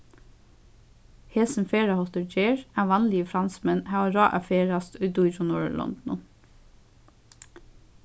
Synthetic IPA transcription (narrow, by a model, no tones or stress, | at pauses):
heːsn̩feːɹɑhɔt̪əd͡ʒeːɹæːʋɑnlɪəfɾɑnsmɛnhæːoːɾɑːʔæ̰feːɹɑst̪ʉd̪uːiɾɔnoːɹ̰lɔ̰nd̪n̩ʊn